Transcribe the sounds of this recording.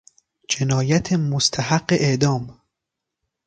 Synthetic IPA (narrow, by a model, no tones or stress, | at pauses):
d͡ʒenɒːjæt̪ʰemost̪ʰæhæɡːeʔeʔd̪ɒːm